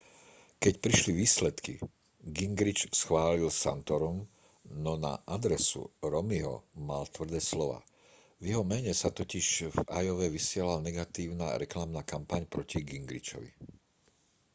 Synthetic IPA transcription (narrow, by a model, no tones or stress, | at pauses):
kɛcpɾiʃliʋiːslɛt̪kḭ | ɡiŋɡɾit͡ʃsxʋaːlilsa̰nt̪ɔɾum | nɔna̰ʔad̪ɾɛsṵɾɔmiɦɔ̰malt̪ʋr̩d̪ɛːslɔʋa̰ː | vjɛɦɔmɛɲɛsat̪ɔciʃvajɔʋɛʋisɪɛlalnɛɡat̪iːʊna̰ɾɛklamnaːkampaɲpɾɔciɡiŋɡɾit͡ʃɔ̰ʋḭ